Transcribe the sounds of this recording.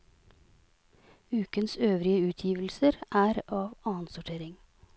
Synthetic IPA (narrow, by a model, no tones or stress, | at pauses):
ʉːkənsøːʋɾɪəʉːt̪ʰjiːʋl̩səɾʔæːɾɑːʋɑːənsʊʈʰeːɾɪŋ